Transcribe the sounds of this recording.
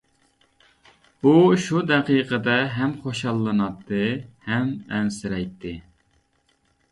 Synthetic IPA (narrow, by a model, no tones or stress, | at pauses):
buʃud̪ɛqijqʰəd̪ɛɦɛmχoʃɑlˠːɨnɑt̪ːɨhɛmɛnsɪɾɛjt̪ʰːɪ